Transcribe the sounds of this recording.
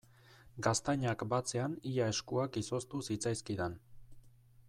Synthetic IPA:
ɡast̪aɲakbat͡se̞aniʎae̞skuakiso̞st̪usit͡sajskiðan

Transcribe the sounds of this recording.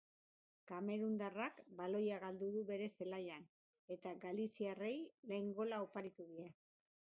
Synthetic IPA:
kame̞ɾund̪arakbalo̞jaɣald̪uðuβe̞ɾe̞se̞laʎan | e̞t̪aɡalisiare̞jle̞ːŋɡo̞laopaɾit̪uðia

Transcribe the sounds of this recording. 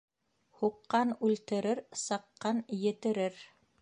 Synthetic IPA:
huqːɑnʉlt̪ɘ̆ɾɘɾsɑqːɑnjɘ̆t̪ɘ̆ɾɘɾ

